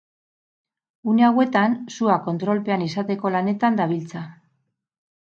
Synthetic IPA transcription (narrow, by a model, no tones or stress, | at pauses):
une̞awe̞t̪ansuako̞nt̪ɾo̞lpe̞anisat̪e̞ko̞lane̞t̪and̪aβ̞ilt͡sa